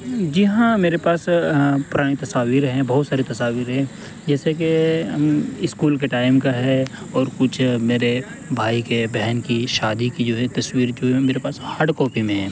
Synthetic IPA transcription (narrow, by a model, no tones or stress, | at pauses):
d͡ʒɪɦãmeːɾepaːspʊɾaːɽ̃it̪ɐsaːʋiːɾɦɛ̃bɐɦʊt̪saːɾet̪ɐsaːʋiːɾɦɛ̃ | d͡ʒɛːsek̬e | ɪskuːlkeʈaːɪmkaɦɛ | ɔːɾkʊt͡ʃʰmeːɾe | bʱaːikebɛɦnkiʃaːd̪ikid͡ʒoːɦɛt̪ɐswiːɾd͡ʒoːɦɛmeːɾepaːshaːɾɖkɔːpimẽɦɛ̃ː